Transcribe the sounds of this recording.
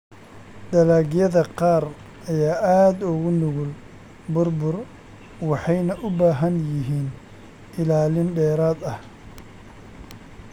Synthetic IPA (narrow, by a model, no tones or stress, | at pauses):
d̪ɐlaːɣjɐðɐqɑːr | ɐjaːʔaːd̪ʊɣʊnʊɣʊl | bʊrbʊr | wɑħɑjnɐʔʊbaːɦɐnjɪɦiːn | ʔɪlaːlɪnɖɛːɾaːd̪ɐh